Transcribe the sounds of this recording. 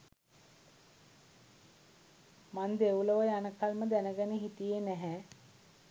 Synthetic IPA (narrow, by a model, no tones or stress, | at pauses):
mand̪euləʋəjanəkalməd̪ænəɡənəɦit̪ijenæɦæ